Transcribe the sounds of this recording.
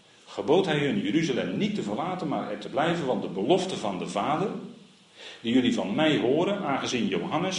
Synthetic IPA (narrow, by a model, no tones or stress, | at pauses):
χəboːtɦɛjɦɵnjəɾyzalɛmnitːəvərlaːtənmaːɹɛɹtəblɛjvənʋɑndəbəlɔftəvɑndəvaːdər | d̥ijɵlivɑnmɛjɦʊːɾənaːnχəzinjowɦɑnəs